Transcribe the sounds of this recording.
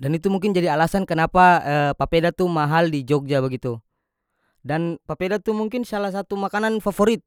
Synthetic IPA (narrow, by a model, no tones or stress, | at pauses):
danit̪umuŋk̬ɪnd͡ʒadialasankənapaəpapedat̪umaɦaldid͡ʒɔk̚d͡ʒabəɡit̪u | danpapedat̪umuŋkɪnsalahs̬at̪umakananfafoɾit̪̚